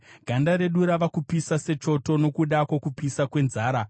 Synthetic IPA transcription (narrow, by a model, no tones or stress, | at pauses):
ɡʱandaɾe̞ɗuɾaʋakupisase̞t͡ʃo̞to̞no̞kuɗakwokupisakwe̞nzaːɾa